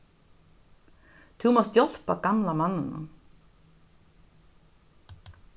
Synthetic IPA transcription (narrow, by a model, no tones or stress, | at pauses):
t̪ʰumɔst̪jɔl̥pakamlamanːɪna̰